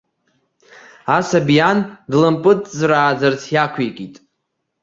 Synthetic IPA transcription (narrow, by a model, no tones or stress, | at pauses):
asabjandlɨmpʼɨtʼzraːd͡zart͡sʰjakʷʰekʼitʼ